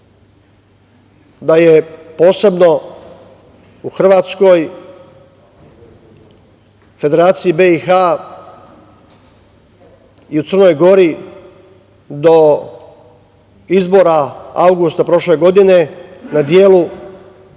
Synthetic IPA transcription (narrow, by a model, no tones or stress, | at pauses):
d̪ajepo̞ːse̞bno̞ | uxr̩ʋaːt̪sko̞j | fe̞d̪eɾaːt̪sijibeixa | iut̪sər̩no̞jɡo̞ɾi | d̪o̞ | izbo̞ɾaa̰wɡust̪apɾo̞ʃle̞ɡo̞d̪ine̞nad̪je̞ːlu